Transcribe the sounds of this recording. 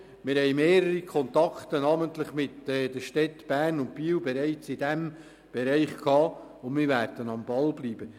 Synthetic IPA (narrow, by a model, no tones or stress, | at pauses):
mɪɾhɛɪmeːɾəɾikʰɔnt̪ɑkt̪ənɑməntləχmɪt̪ɛːdəʃtɛtb̥æːrnʊnt̚piːwbɛɾɛɪt͡sɪd̥æm | b̥ɛɾɛɪχkʰɑːʊndmɪːɾvæɾd̥ənɑmbɑlbliːb̥ə